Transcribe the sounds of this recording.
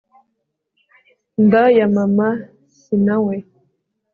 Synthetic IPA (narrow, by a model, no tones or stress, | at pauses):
ndajamama | sinawe